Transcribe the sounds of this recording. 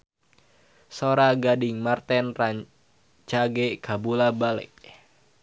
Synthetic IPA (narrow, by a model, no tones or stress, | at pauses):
soɾaɡadɪŋmart̪ɛnraɲ | t͡ʃaɡekabulabalɛ̰ʔ